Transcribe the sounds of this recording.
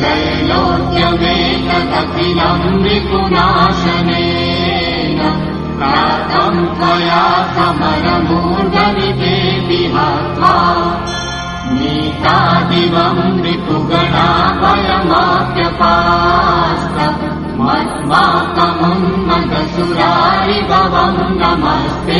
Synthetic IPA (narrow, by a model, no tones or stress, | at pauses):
d͡ʒɐj | loːkjɐʋeː | kɐt̪ɐkilɐmɾit̪unaːʃɐneː | nɐ | aːt̪ɐmpɾɐjaːsɐmɐɾɐmuːd̪ɐʋit̪eːp̪iɦaːt̪ʋaː | niːt̪aːd̪iʋɐmɾit̪uɡɐɽaːbɐlɐmap̪jɐpaː | st̪ɐ | mɐt̪ʋaːt̪ɐmɐmnɐd̪ɐsuɾaːɾibʱɐʋɐmnɐmɐst̪e